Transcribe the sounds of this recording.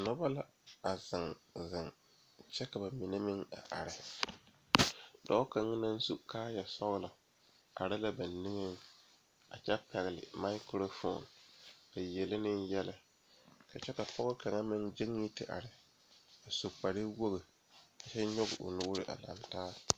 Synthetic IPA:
nɔ˦ba˦la˦ | a˨zɪ˨ŋzɪ˨ŋ | t͡ʃɛ˦ka˨ba˨mi˨ne˦mɪ˦ŋa̰˨ʔa̰˨ɾɪ˨ | dɔ˦ka˨ŋ˦na˦n˦su˦kaː˦jɛ˨sɔ˦la˨ | a̰˨ɾɪ˦la˦ba˨nnɪ˦ŋe˦ŋ | a̰˨t͡ʃɛ˦pɛ˨ɣɪ˨lɪ̰˨ma˦ɪ˦kɾo˦fo̰˨nka˨jɛ˨lɪ˦nɪ˦njɛ˦lɪ˨ | ka˨t͡ʃɛ˦ka˨pʰɔ˦ɣʊ˦ka˨ŋa˦mɪ˦nd͡ʒɪ˦ŋ˦ji˦tɪ˨ʔa̰˨ɾɪ˨ | a˨so˨k͡pa˨ɾɪ˦wo˦ɣɪ˨ | ka˨t͡ʃɛ˦ɲʊ˦ɣɪ˨ʔʊ̰˨nʊ˦ʊ˦ɾɪ˦ʔa̰˨la̰˨mtaː˦

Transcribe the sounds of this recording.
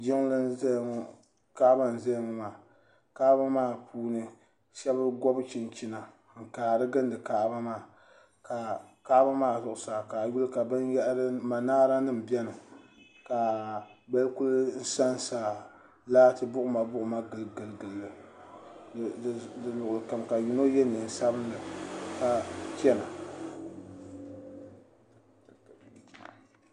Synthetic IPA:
d͡ʒɪ˦ŋlɨ˦ɛ˦˨ŋ˦ | ka˦ba˦n̩˨zɛ˦jŋ˦maː˨ | ka˦ba˦maː˦˨pʰuː˦nɨ˦ | ʃɛ˦bɨ˦ɡɔ˦bɨ˦t͡ʃi˨nt͡ʃi˦na˨ | ŋ̩˨kaː˨ɾɨ˦ɡɨ˦ndɨ˨kaː˨ʔba˦maː˦˨ | ka˨ka˦ba˦maː˦˨zʊ˨ʔʊ˨saː˨ka˨ju˦lɨ˦ka˨bɨ˦njɛ˦ʔɾɨ˦ma˨naː˦ɾa˦nɨ˦m̩˨bɛ˦nɨ˨ | ka˨bɛ˦lku˦ln̩˦sa˦n˦saː˨ | laː˦tɨ˦bʊ˦ʔʊ˨˦ma˨bʊ˦ʔʊ˨ma˦ɡɨ˨lɡɨ˨lɡɨ˨lːɨ˦˨ | dɨ˨nʊ˨ʔʊ˨lɨ˨ka˨mka˨ju˨no˦jɛ˦ni˨n̩˦sa˦bɨ˦ndɨ˨ka˨kɛ˦na˨

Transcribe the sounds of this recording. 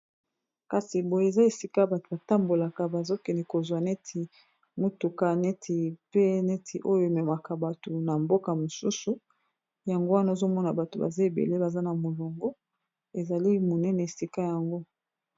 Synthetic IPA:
ka˨si˨bo˨je˨za˦e˨si˦ka˦ba˨to˨ba˨ta˦mbo˨la˨ka˨ba˨zo˦kɛ˨nɛ˨ko˨zwa˨nɛ˦tʰi˨ | mu˦tu˨ka˦nɛ˦tʰi˨pe˦nɛ˦tʰi˨ʔo˦jo˦e˨mɛ˨ma˨ka˨ba˨to˨na˨mbo˦ka˨mo˨su˦su˨ | ja˨ŋɡo˦wa˦na˦o˦˨zo˦mɔ˦na˨ba˨to˨ba̰˨za˦e˨bḛ˨le˦ba˨za˦na˨mo˨lo˨ŋɡo˦ | e˨za˨li˦mo˨nɛ˦nɛ˨e˨si˦ka˦ja˨ŋɡo˦

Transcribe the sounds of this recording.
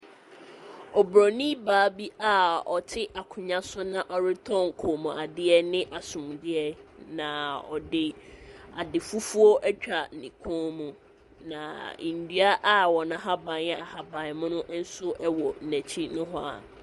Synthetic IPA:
ɔ˨bɾɔ˨nĩ˦baː˨˦bi˦a˦ɔ̰˨tʰɪ˦ʔa˨kʰʊ̃˨ɲã˦sʊ˦nã˨ʔɔ˨ɾɪ˦tʰɔ̃˦˨ŋ˨kʰo˨mũ˨a˨dɪ˦ɛ˦nɪ̃˦ʔa˨sʊ̃˨m˨dɪ˦ɛ˦nã˨ɔ̰˨dɪ˨a˨dɪ˨fu˦fu˦ɔ˦ʔɛ˦t͡ɕᶣa˨n̩˨nḭ̃˨kʰõː˦mũ˨ | nã˨ḭ̃˨n̩˨dɥa˦ʔa˦wɔ˨nã˨ɦa˦bã˨n˨ɛ˦a˨ha˨bã˨n˨mʊ̃˦nʊ̃˦n̩˦sʊ˦ʔɛ˦wɔ˨n̩˨næ̃˨t͡ɕʰi˦nʊ̃˦ɦʊ˦a̰˨

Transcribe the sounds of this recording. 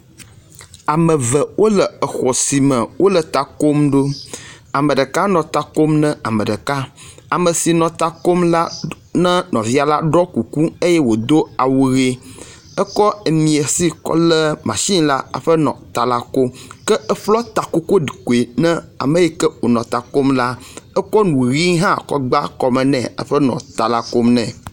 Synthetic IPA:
a˨mə̃˨və˨wʔo˦lə˨ə˨xɔ˨si˨mə̃˨wʔo˦lə˨t̪a˨ko˦mɖo˦ | a˨mə̃˨ɖə˨ka˦nɔ̃˨t̪a˨ko˦mnə̃˦a˨mə̃˨ɖə˨ka˦a˨mə̃˨si˨nɔ̃˨t̪a˨ko˦mla˦ | nə̃˦nɔ̃˨vi˦a˨la˦ɖɔ˦ku˨ku˦e˦jɛ˦wo˨d̪o˦a˨wu˨ɣe˦ | ə˦kɔ˦e˨mĩ˨e˨si˦kɔ̰˦lɛ˦mã̰˨ʃi˦la˦a̰˨ɸə˦nɔ̰̃˨t̪a˨la˨ko˦mkə˦ə˦ɸlɔ˦t̪a˨ko˦ko˦ɖi˨ko˨e˨nɛ̃˦a̰˨mə̃˨jɛ˦kə˦wo˨nɔ̃˨t̪a˨ko˦mla˦ə˦kɔ˦nũ˨ɣi˦ŋɦã˦kɔ̰˦ɡ͡ba˦kɔ˨mɛ̃˨nɛ̃˨a̰˦˨ɸə˦nɔ̰̃˨t̪a˨la˨ko˦mnɛ̃˨

